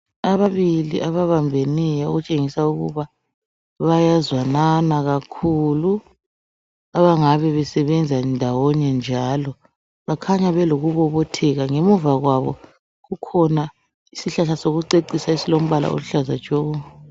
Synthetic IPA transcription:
aβaβiliʔaβaβambʱenɛjɛo̰ɣut͡ʃʼeŋisauɣṵβa | βajazwananaɣakʰulu | aβaŋaβɛβɛsɛβɛnd͡zʱaɛndʱawɔɲɛnd͡ʒʱalɔ | βakʰaɲaβɛloɣuβɔβɔtʰɛɣaŋemuvaɣwaβɔ̰ | ɣukʰɔna | isiɬaɬasoɣuǀeǀisaisilom̩βala̰o̰luɬaza̰̥t͡ʃʼou

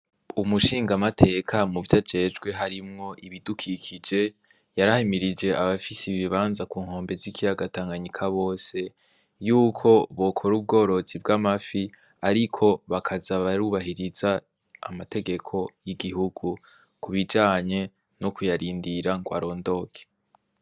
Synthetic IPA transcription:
umuʃiːŋɡamatʰe̞kʰamuvjad͡ʒe̞d͡ʒɡwe̞ɦaɾimŋo̞ʔiβidukʰikʰid͡ʒe̞ | jaɾahemiɾid͡ʒe̞aβafisiβiβaːnzakuːŋho̞ːmbe̞zikiɾaɡataːŋɡaɲikʰaβo̞ːse̞ | juːkʰo̞βo̞kʰo̞ɾub̚ɡo̞ːɾo̞zib̚ɡamafi | aɾikʰo̞βakʰazaβaɾuβaɦiɾiz̥a̰ː | mate̞ɡe̞kʰo̞jiɡihuɡ̥u | kuβid͡ʒaːɲe̞ | no̞kujaɾiːndiɾaŋɡwa̰ɾo̞ːndo̞kʰe̥

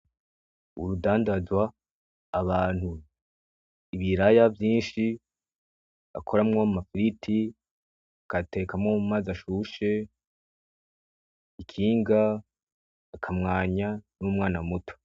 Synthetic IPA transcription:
ṵɾudaːndazwaː | βaːn̥hu | iβiɾajavjiːnʃi | a̰kʰo̞ɾamŋomafiɾitʰi | akate̞ːkamŋomazaʃuʃe̞ | ikʰiːŋɡaː | kʰamŋaːɲanumŋaːnamutʰo̥

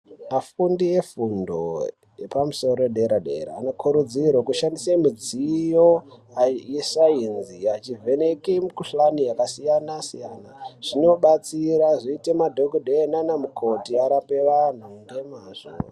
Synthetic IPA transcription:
afundije̞fundo̞̰ | jepamuso̞ɾoeɗeɾaɗḛɾa̰ːno̞kʰuɾud͡zirwokuʃandisemid͡zijo | jesainziat͡ʃive̞ne̞kemukuɬanijakasijanasijanaʐ̥ino̞ɓat͡siɾaʐiite̞madʱoɡudʱenanamukʰo̞tiaɾape̞ʋan̤unde̞maːʐo̰

